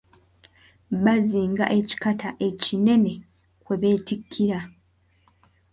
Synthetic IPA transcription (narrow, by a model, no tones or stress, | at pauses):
βaziːŋɡa̰ʔe̞ci̥katʰaʔe̞cine̞ne̞ | kwe̞βe̞ːtikʰːiɾa